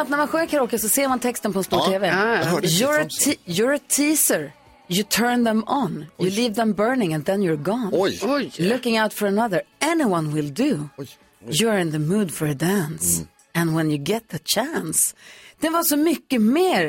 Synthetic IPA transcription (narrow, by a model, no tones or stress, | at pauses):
at̪næɾmãnɧøːkʰaɾoːkəsɔseːmant̪ʰɛkst̪ənpʰɔɛ̃nst̪uːʈʰeːvɛjəət̪ʰːjɔɹət̪ʰiːsə˞ | jɨt̪ʰɜ˞nðɛ̃mənjɨliːvðə̃mbɜ˞nɪ̃ŋɛ̃nðɛ̃njəɹɡɔnlʊkɪ̃ŋaʊt̪fɔɹənʌðə˞ɛnɪwʌ̃nwɪlˠd̪u | jəɹɪ̃nðəmʉːd̪fɔɹəd̪æ̃ns | ɨ̃nwɛ̃njɨɡɛt̪̚ðət͡ʃʰænsd̪̥ɛvɑsɔmʏkːəmeːɾ